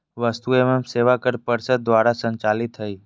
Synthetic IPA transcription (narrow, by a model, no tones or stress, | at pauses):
ʋəst̪uememseːʋakəɾpəɾsəd̪̚d̪ʋaːɾasə̃ɲt͡ʃalɪt̪ɦəiː